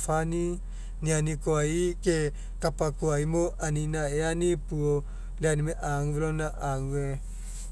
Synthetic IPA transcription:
fani | nianikoaike | kapakuaimoʔaninaeanipuo | leanimeʔaŋelonaʔaŋue

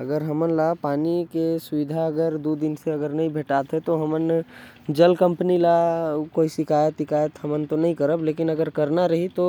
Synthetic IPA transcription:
əɡəɾɦəmənlapaːnikesʊʋid̪ʱaəɡəɾd̪ud̪ɪnseəɡəɾnɐɦĩbʱeʈat̪ɦɛt̪oɦəmən | d͡ʒəlkə̃mpnilakoisɪkʰaːjət̪ɪkaːjət̪ɦəmənt̪onɐɦĩkəɾəbleːkɪnəɡəɾkəɾnaɾəɦit̪o

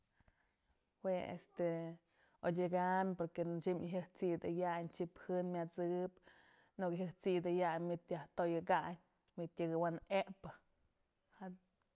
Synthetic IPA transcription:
weḛst̪e | odʲɨɡamʲpoɾket͡ʃimɦɨht͡sid̪ɨjaʔɲt͡ʃiphɨnmʲat͡sɨp | nuʔkɦɨht͡sid̪ɨjaɲmit̪jaht̪ojɨɡaʔɲʲ | mʲit̪jaɡɨwanepɨ | ha

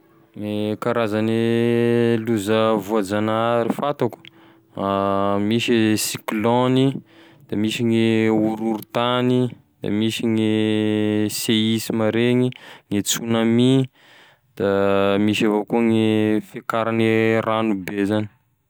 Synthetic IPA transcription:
ŋekaɾazani | luzavuad͡zanaaɾifat̪aku̥ | amiʃisikloni | d̪̥amiʃiŋeuɾuɾut̪ani | d̪̥a̰miʃiŋe | seisimaɾeŋiŋet͡sunami | d̪̥amiʃavokuəŋefekaɾaniranubezani̥

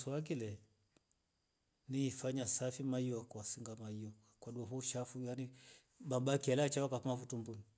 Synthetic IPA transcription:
sɔwak̬ilɛ | niːfaɲasafimaiɔkwasiŋɡamaiɔkakwaɗuaɦuʃafujani | babakialat͡ʃaakamafutumbuni

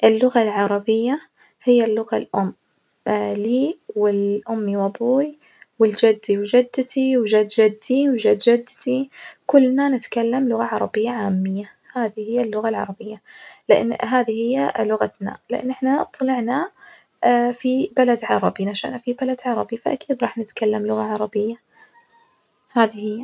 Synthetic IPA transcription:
ʔɪlːʊɣalʕɑɾˤɑbɪjːa | hɪjːalːʊɣalʔʊmː | liːwɪlʔʊmːiwabuːj | wɪld͡ʒɪd̪ːiwd͡ʒɪd̪ːt̪ʰiwd͡ʒad̪d͡ʒad̪ːiwd͡ʒad̪d͡ʒɪd̪ːt̪ʰikʊlːnanɪt̪kalːamlʊɣaʕɑɾˤɑbɪjːaʕaːmːɪjːa | haːðihɪjːalːʊɣalʕɑ̰ɾˤɑbɪjːalɪʔɪ̰nːɦaːðihɪjːalʊɣat̪na̰lɪʔɪ̰nːʔɪħnat̪ˤɑlɪʕna | fibalad̪ʕɑɾˤɑbinaʃa̰ʔnafibalad̪ʕɑɾˤɑ̰bifaʔa̰kiːd̪ɾˤɑːħnɪt̪kalːamlʊɣaʕɑɾˤɑbɪjːa | haːðihɪjːa

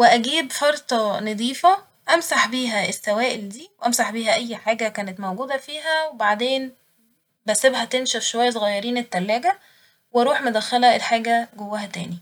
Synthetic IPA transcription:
weʔæɡiːbfɑɾˤt̪ˤɑned̪ˤiːfæ | ʔæmsaħbiːɦæesːæwæːʔeld̪iːwʔæmsaħbiːɦæʔæjːħaːɡækæːnet̪mæwɡuːd̪æfiːɦæwebaʕd̪eːn | bæsebhæt̪enʃæfʃowæjːæs̬ˤoɣɑjːɑɾiːnet̪ːælːæːɡæ | wɑɾˤuːħmod̪æxːælæʔelħaːɡæɡowːæːɦæt̪æ̰ːni

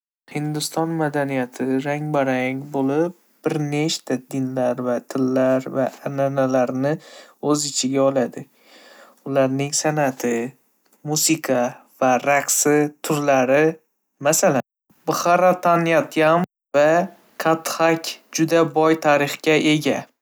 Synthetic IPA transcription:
hɪnd̪ʊst̪ɒnmad̪anijat̪ʰɪɾaŋbaɾaŋbolɪp̚ | b̥ɪɾneʃt̪ʰad̪ɪnlaɾvat̪ʰɪlːaɾvaːnanalaɾnɪɵzɪt͡ʃʰɪɡʲaɒlˠad̪ɪ | ʊlaɾnɪŋsanat̪ʰɪ | musɪkʰavaɾaqsɪt̪ʰʊɾlaɾɪ | masalan | bʊχaɾat̪ʰanjat̪ʰjam | va | kʰat̪χakʲd͡ʒʊd̪abɒjt̪ʰaɾɪχkʲaʔe̞ɡʲa

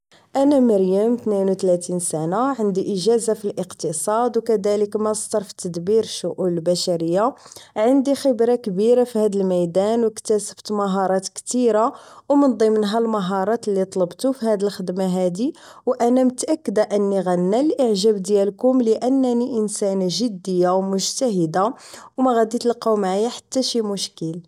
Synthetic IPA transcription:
ʔænæməɾjæmt̪ninwt̪læt̪insænaʕənd̪iʔəʒæzafilʔəqt̪əsˤɑd̪wkæd̪æləkmæst̪ɑɾˤfi̥t̪əd̪biɾʃʊʔulbæʃæɾəjːaʕənd̪ixəbɾakbiɾafihæd̪əlmæjd̪ænwəkt̪æsə̥ft̪mɑɦɑɾˤɑt̪kt̪iɾawmənd̪ˤimənɦælmɑɦɑɾˤɑt̪əlːit̪ˤləbt̪ufihæd̪əlxəd̪maɦæd̪iwʔænæmət̪ʔækːəd̪aʔənːiɣənːælʔəʕʒæbd̪jælkʊmləʔənːæniʔənsænʒəd̪ːəjːawmʊʒt̪æɦəd̪awmæɣæd̪it̪əlqɑwmaʕajːaħḁt̪ːæʃimʊʃkəl

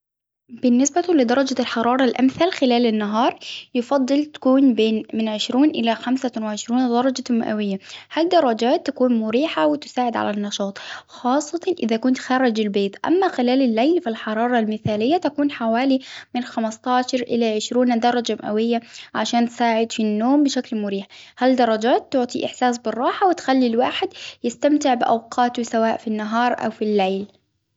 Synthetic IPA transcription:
b̥ɪnːɪsbalɪd̪ɑɾˤɑd͡ʒalħɑɾˤɑːɾˤɑlʔamθalxɪlaːlɪnːaɦɑːɾˤjɪfɑd̪ˤːɨlt̪ḁkuːnbeːnmɪnʕɪʃɾuːnʔɪlaxamsawɪʕɪʃɾuːnd̪ɑɾˤɑd͡ʒama̰ʔa̰wɪjːahaːld̪ɑɾˤːɑd͡ʒaːt̪ːakuːnmʊɾiːħawɪt̪ɪ̥saːʕɪd̪ʕa̰lanːɑʃɑːt̪ˤxɑːsˤːɑt̪ɑʔɪðakʊnt̪xɑɾˤːɪd͡ʒɪlbeːt̪ˤʔa̰mːaxɪlaːlɪlːajnfilħɑɾˤɑːɾˤɑlmɪθaːlɪjːat̪akuːnħawaːlimɪnxamɑst̪ˤɑːʃɑɾˤʔɪ̰laʕɪʃɾuːnd̪ɑɾˤɑd͡ʒamʔa̰wɪjːaʕaʃaːnt̪saːʕɪd̪finːoːmbɪʃaklmʊɾiːħhald̪ɑɾˤɑd͡ʒaːt̪ːʊʕt̪ˤiʔɪ̰ħsaːsbɪrˤːɑːħawɪt̪xalːilwaːħɪd̪jɪst̪amt̪ɪʕbɪʔa̰wqʰɑːt̪ʊsawaːʔfinːaɦɑːɾˤʔa̰wfilːejl

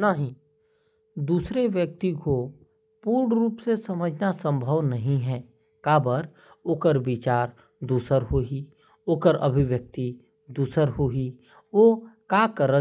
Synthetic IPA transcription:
naɦĩ | d̪uːsɾeʋjək̚t̪iko | puːɾɳɾuːpsesəməd͡ʒʱnasə̃mbʱəʋnɐɦĩɦɛː | kaːbəɾ | oːkəɾʋɪt͡ʃaːɾ | d̪uːsəɾɦoi | oːkəɾə̰bʱiʋjək̚t̪i | d̪uːsəɾɦoi | ʋokakəɾə

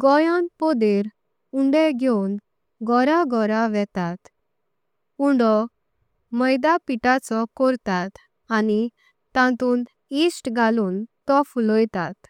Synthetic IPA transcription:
ɡɔjãnpɔd̪eɾ | uɳɖeɡʱewn | ɡɔɾaɡɔɾaʋɛt̪at̪ | uɳɖɔ | məjd̪apiʈat͡sɔkɔɾt̪at̪ | ani | t̪ãt̪uːn | isʈɡʱaluːnt̪ɔflɔjt̪at̪

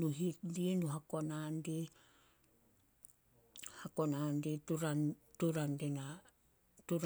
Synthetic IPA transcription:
nuɦitdinuɦakonande | hakonandetuɾantuɾandena | tuɾ

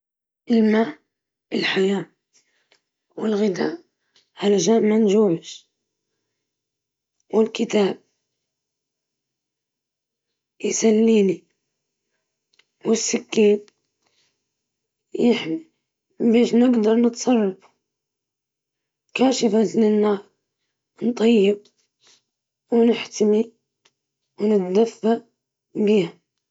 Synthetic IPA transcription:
ʔɪlmaː | ʔɪlħajaː | wɪlɣɪd̪a̰ːʔ | halaʒaːʔmːanʒuːʕɪʃ | wɪlkɪt̪aːb̚ | jsalːiːni | wɪsːɪkːiːn | jɪħmi | beːʃnɪɡd̪ɑɾˤnɨt̪sˤɑrˤːɑf | kaːʃɪfaznɪnːɑːɾˤ | nt̪ˤɑjːɪb̚ | wnɪħt̪ami | wnɪt̪d̪afːaʔ | biːha

